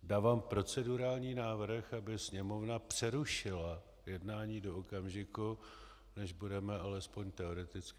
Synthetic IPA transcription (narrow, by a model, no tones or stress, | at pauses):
daːvaːmpɾo̞t͡sɛduɾaːlɲiːnaːvr̩xabɪsɲɛmo̞vnapr̝̥ɛɾuʃɪla | jɛdnaːɲiːdo̞okamʒɪku | nɛʒbudɛmɛalɛspo̞ɲt̪ɛo̞ɾɛt̪ɪt͡skɪ